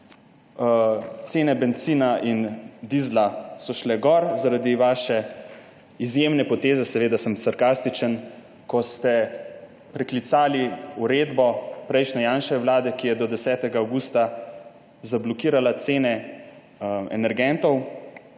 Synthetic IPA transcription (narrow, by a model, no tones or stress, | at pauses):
t̪seːnɛbɛnt̪siːnaʔind̪izlasɔʃlɛɡɔɾzaɾad̪iʋaːʃɛ | izjemnɛpɔt̪eːzɛsɛʋeːd̪asəmsaɾkast̪it͡ʃən | kɔst̪ɛ | pɾɛklit̪saːliuɾeːd̪bɔpɾɛjʃnɛjaːnʃɛʋlaːd̪ɛkijɛd̪ɔd̪ɛsɛːt̪ɛɡaːwɡuːst̪a | zablɔkiːɾalat̪seːnɛ | ɛ̰nɛɾɡɛnt̪ɔw